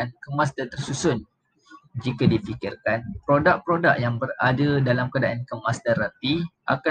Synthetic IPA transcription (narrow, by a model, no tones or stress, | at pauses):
nkəmas̬dant̪ərsusʊn | d͡ʒikadifikɪrkanpɾodak̚pɾodaʔ̚jaŋbəradədalamkadaʔankəmast̪aɾapiʔa̰ka